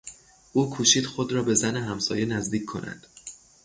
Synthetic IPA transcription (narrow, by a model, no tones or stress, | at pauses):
ʔuːkʰuːʃiːd̪̥xo̞d̪ɾɒːbe̞zæneɦæmsɒːje̞næzd̪iːcʰːo̞̰nʔæ̰nd̪̥